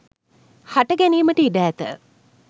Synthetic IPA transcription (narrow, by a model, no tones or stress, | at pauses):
haʈəɡæniːməʈəiɖæːt̪ə̰